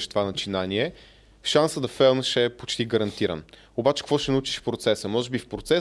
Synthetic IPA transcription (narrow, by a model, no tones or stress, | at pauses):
ʃt̪ovanɐt͡ʃinaniɛ | fʃansəd̪ɐfɛlˠnəʃɛpot͡ʃt̪iɡəɾɐnt̪iɾə̰n | obat͡ʃɛ̥kəkvɔʃɛnɐut͡ʃi̥ʃfpɾot̪sɛsəmɔʒɛbifpɾot̪sɛ